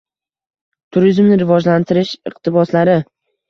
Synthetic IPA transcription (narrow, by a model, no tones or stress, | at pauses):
t̪ʰʊɾizmnɪɾɪvɒd͡ʒlant̪ʰɪɾɪʃɪq̚t̪ʰɪbɒslaɾɪ